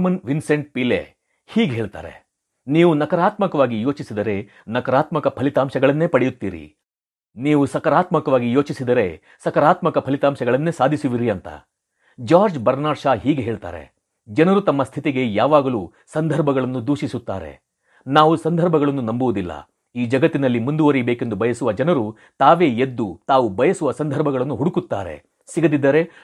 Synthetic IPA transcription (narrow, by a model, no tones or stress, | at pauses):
mɐnʋinse̞ɳʈ̚pilḛ | hiːɡeɦeːɭt̪a̰ːɾe̞̰ | niːʋunɐkɐɾaːt̪mɐkɐʋaːɡijo̞ːt͡ʃisid̪ɐɾe̞ | nɐkɐɾaːt̪mɐkɐpʰɐlit̪aːmʃɐɡɐɭɐnːe̞ːpɐɽejut̪ːiːɾḭ | niːʋusɐkɐɾaːt̪mɐkɐʋaːɡijo̞ːt͡ʃisid̪ɐɾe̞ | sɐkɐɾaːt̪mɐkɐpʰɐlit̪aːmʃɐɡɐɭɐnːe̞ːsaːd̪ʱisuʋiɾiɐnt̪ɐ̰ | d͡ʒaːɾd͡ʒbɐɾnaːɾʃaːɦiːɡeɦe̞ːɭt̪a̰ːɾḛ | d͡ʒɐnɐɾut̪ɐmːɐst̪ʰit̪iɡe̞jaːʋaːɡɐluː | sɐnd̪ʱɐɾbʱɐɡɐɭɐnːud̪uːʃisut̪ːa̰ːɾe̞̰ | naːʋusɐnd̪ʱɐɾbʱɐɡɐɭɐnːunɐmbuʋud̪ilːɐ̰ | iːd͡ʒɐɡɐt̪ːinɐlːimund̪uʋɐɾibeːke̞nd̪ubɐjɐsuʋɐd͡ʒɐnɐɾu | t̪aːʋe̞ːed̪ːut̪aːʋubɐjɐsuʋɐsɐnd̪ʱɐɾbʱɐɡɐɭɐnːuɦuɽukut̪ːa̰ːɾe̞̰ | siɡɐd̪id̪ːɐɾe̞